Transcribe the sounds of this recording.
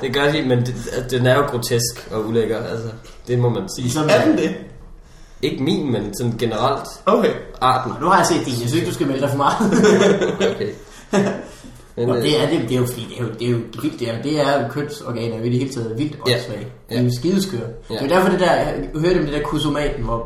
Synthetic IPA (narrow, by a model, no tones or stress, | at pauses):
d̥e̝ɡ̥ɶɐliːmeneæsd̥enæɐjo̝ɡ̥ʁo̝t͡sʰesɡ̥ɒ̽uleɡ̥ɐælsə | d̥e̝mɒ̽mænsiːsɒd̥e | e̝ɡ̥əmḭːnmensɒ̽nɡ̥e̝nəʁɑl̰d̥okʰeɑ̈ːd̥n̩nuhɑ̈jase̝̰ːd̥ejæsy̰seɡ̥d̥usɡ̥æmeləd̥ɑ̈ɪfɒ̽mɑ̈ː | okʰe | mend̥e̝æɐd̥e̝d̥ejo̝fɒd̥ḭːd̥eæɐjod̥e̝jo̝̥ʋil̰d̥jæd̥e̝æɐkʰøn̰sɒɡ̥ɛ̰ːnæɐjoed̥ihe̝ːlət͡sʰɛ̰ːðˠʋil̰d̥ɒ̥sʋɛ̰ːɪd̥e̝osɡ̥iðˠskʰøɐ̰de̝odæɐfɒ̽d̥e̝d̥æɐ̥uhøːɐɾ̥emd̥e̝d̥ɛɐ̰kʰus̬o̝mɛ̰ːd̥n̩ʋɒ